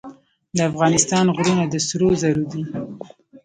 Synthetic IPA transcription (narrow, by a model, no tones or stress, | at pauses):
d̪əafɣɑnɪst̪ɑnɣɾunad̪əsɾozaɾud̪i